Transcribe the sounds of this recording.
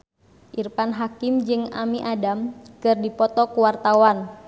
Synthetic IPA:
ʔirpanɦakimd͡ʒɨŋa̰miʔadamkɨrdipɔt̪ɔkuwart̪awan

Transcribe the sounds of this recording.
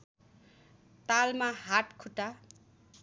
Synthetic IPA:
t̪almaɦaʈkʰuʈa

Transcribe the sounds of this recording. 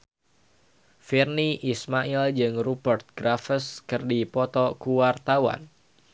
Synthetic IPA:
firniʔismaʔild͡ʒɨŋrubərt̪̚ɡɾafəskɨrdipɔt̪ɔkuwart̪awa̰n

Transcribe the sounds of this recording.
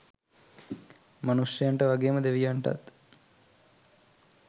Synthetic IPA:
manusjəjaɳʈəʋaɡeːməd̪eʋijaɳʈa̰t̪

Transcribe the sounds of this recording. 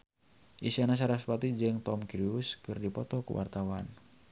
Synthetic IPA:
ʔisianas̬aɾas̬pat̪id͡ʒɨŋt̪ɔmkɾiuskɨrdipɔt̪ɔkṵwa̰rt̪awan

